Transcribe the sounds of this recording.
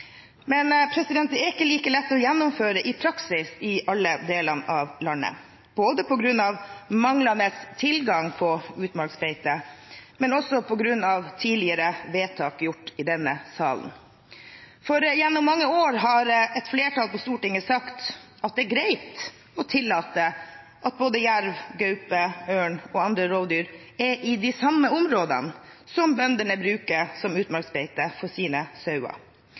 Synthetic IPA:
mɛnpʰɾɛsɪd̪ɛnt̪əɪkːəliːkəlɛt̪ːɔjɛnːʊmføːɾəʔɪpʰɾɑksɪsɪʔɑlːəd̪eːlɑnɑʋlɑnːə̰ | b̥oːd̪əpʰɔɡɾʉnːɑʋmɑŋlɑnəst̪ʰɪlɡɑŋpʰɔʉːt̪mɑɾksfɛɪt̪əmɛnɔsɔpʰɔɡɾʉnːɑʋt̪ʰiːlɪəɾəʋeːt̪ʰɑːkjʊʈːɪd̪ɛnːəsɑ̰ːln̩ | fɔɾjɛnːʊmːɑŋːəoːɾɦɑɾɛt̪fleːʈɑlpɔst̪uːʈɪŋːəsɑkt̪ | ɑt̪̚d̪ɛɾɡɾeɪt̪ | ɔt̪ʰɪlːɑːt̪ə | ʔɑt̪̚boːd̪əjæɾʋɡœʉpəøːɳɔɑnd̪ɾəɾoːʋd̪yːɾ | ɛʔɪd̪ɪsɑmːəʊmɾoːd̪ə̰nsɔmbœnd̪ənəbɾʉːkəɾsɔmʉːt̪mɑɾksbɛɪt̪əfɔsiːnəsɑʉɑ̰

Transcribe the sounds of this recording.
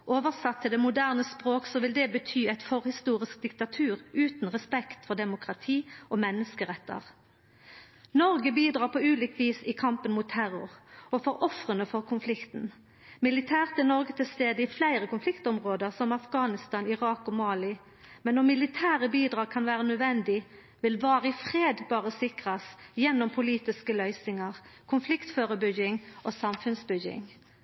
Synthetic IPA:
ʔoːʋəʁsɑt̪ʰːɪld̪ɛmʊd̪æːʁnəspʁoːksɔʋɪld̪ɛbət̪ʰyːæɪt̪fɔʁhɪst̪uːʁɪsk̚d̪ɪkt̪ɑt̪ʰʉːʁʉːt̪n̩ʁɛspɛkt̪fɔʁd̪ɛmʊkʁɑt̪ʰiːɔmɛnːəskəʁɛt̪ːə̰ʁ | nɔʁɡəbiːd̪ʁɑːʁpʰɔʉːlɪkʋiːsɪkʰɑmpənmʊːt̪ʰːæʁʊʁɔfɔʁʔɔfʁənəfɔʁkʰʊnflɪkt̪n | mɪlɪt̪ʰæːʁt̪ʰːɪlnɔʁɡət̪ʰɪlst̪eːd̪əɪflæɪʁəkʊnflɪkt̪ɔmʁoːd̪əʁsɔmɑfɡɑːnɪst̪ɑːnɪʁɑːkɔmɑːlɪ | mɛnːɔmɪlɪt̪ʰæːʁəbiːd̪ʁɑːɡ̚kʰɑnʋæːʁənœd̪ʋɛnd̪ɪ | ʋɪlʋɑːʁəɪfʁeːd̪bɑːʁəsɪkʁɑsjɛnːɔmpʰʊliːt̪ɪskəlœʏsnɪŋɑʁkʰʊnflɪkt̪føːʁəbʏɡɪŋʔoːsɑmfʉnsbʏɡɪ̰ŋ

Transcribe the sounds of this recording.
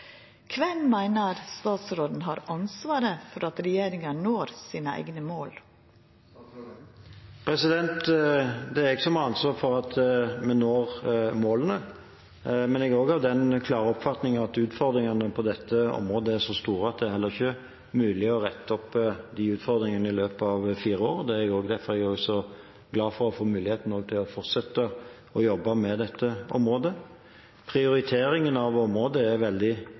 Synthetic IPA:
kʰʋɛnmæɪnəɾst̪ɑːt̪sɾoːd̪n̩ɦɑɾʔɑnsʋɑːɾəfɔɾɑt̪ɾɛjeːɾɪŋɑnoːɾsiːnəæ̰ɪɡnəmoːl | pʰɾɛsɪd̪ɛnt̪d̪ɛæɾɪkəsɔmɑɑnsʋɑːfɔɾɑt̪mɛnnoːʁmoːlənə | mɛnɪɡoːɡɑʋd̪ɛnkʰlɑːʁəɔpfɑt̪nɪŋɑt̪ʉːt̪fɔɾd̪ɾɪŋɑnəpʰɔd̪ɛt̪ʰːəɔ̰mʁoːd̪əæɾʂɔst̪uːɾəɑt̪̚d̪ɛæhɛlːəɾɪçə | mʉːlɪɔʁɛt̪ːɔpːd̪ɪʉːt̪fɔɾd̪ɾɪŋənəɪløːpɑʋfiːɾəoːɾd̪ɛæɛɡoːɡd̪æɾfɔɾɛɡɔːɡsɔ | ɡlɑːfɔɾɔfoːmʉːlɪheːt̪n̩oːɡ̚t̪ʰɪlɔfɔʁt̪sɛt̪ːə | ɔjɔbːɑmɛd̪ɛt̪ʰːəɔ̰mɾoːd̪ə | pʰʁɪʊɾɪt̪ʰeːɾɪŋənɑʋɔmɾoːd̪əæɾʋɛld̪ɪ

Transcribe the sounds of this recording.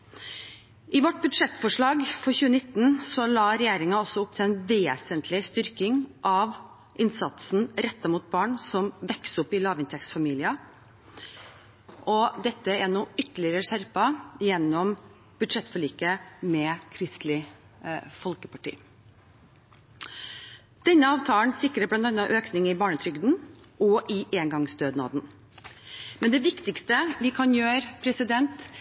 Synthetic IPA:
ʔɪʋɔʈːbʉd̪ʂɛt̪ːfɔʂɭɑːɡfɔɾçʉːənɪt̪ːn̩sɔlɑːɾɛjeːɾɪŋɑɔsːɔʊp̚ːt̪ʰɪɛnʋeːsənt̪ʰlɪst̪ʏɾkɪŋʔɑʋ | ʔɪnsɑt̪sn̩ɾɛt̪ːɑmuːt̪̚bɑːɳsɔmʋɛksʊpːɪlɑːʋɪnt̪ʰɛksfɑmiːlɪɑ | ʔɔd̪ɛt̪ːəɛnuːʏt̪ːəɭɪəɾəʂæɾpɑjɛnːɔm | b̥ʉd̪ʂɛt̪ːfɔɭiːkəmɛkʰɾɪst̪lɪ | fɔlkəpʰɑʈḭː | d̪̥ɛnːəɑːʋt̪ʰɑːlnsɪkɾəblɑnt̪ɑnɑʔøːknɪŋɪbɑːɳət̪ʰɾʏɡd̪n̩ | ʔɔʔɪʔeːŋɡɑŋsd̪øːd̪nɑ̰ːd̪n | mɛnd̪ɛʋɪkt̪ɪkst̪əʋɪkʰɑnjøːɾpʰɾɛsɪd̪ɛnt̪

